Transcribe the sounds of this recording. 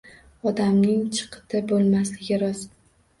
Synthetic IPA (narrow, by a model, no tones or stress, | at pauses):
ɒd̪amnɪŋt͡ʃʰɨ̥qʰɨ̥t̪ʰabolˠmaslɪɡʲɪɾɒz